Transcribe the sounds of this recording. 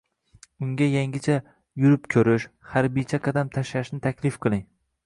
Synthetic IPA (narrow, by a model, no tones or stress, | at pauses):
ʊŋɡʲajaŋʲɪt͡ʃʰa | jʊɾɪpkʲʰɵɾɪʃhaɾbijt͡ʃʰaqʰɑd̪amt̪ʰaʃlaʃnɪt̪ʰakʲlɪfqʰɨlˠɪŋ